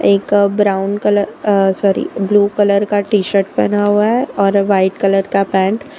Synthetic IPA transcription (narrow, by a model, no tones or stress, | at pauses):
eːkbɾaːʊnkələɾsɔːɾḭbluːkələɾkaʈiːʃəɾʈ̚bɐnaɦuaɦɛɔːɾʋaɪʈkələɾkapɛ̃ːɳʈ